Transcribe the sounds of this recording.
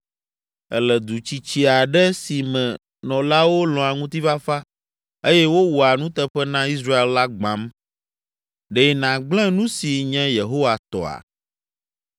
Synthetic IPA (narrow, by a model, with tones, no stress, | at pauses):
ɛ̰˦lɛ˨d̪u˨t͡ɕi˨t͡ɕi˦a˨ɖɛ˦si˨mɛ̃˨ | nɔ̃˨la˦wo˦lɔ̃˨a˨ŋũ˦t̪i˦va˦fa˦ | e˦jɛ˦wo˦wu˨a˨nũ˦t̪ɛ˦ɸɛ˦nã˦i˦s̬ɾa˦e˦lla˦ɡ͡bã˨˦m | ɖe˦nã˨ɡ͡blɛ̃˦nũ˦si˨ɲɛ̃˦je˨ɦo˦wa˨t̪ɔ̰˨a̰˨